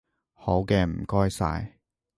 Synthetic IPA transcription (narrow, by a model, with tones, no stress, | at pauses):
ho˨˥wkɛː˧m̩˨˩kɔː˥jsa̰ː˧j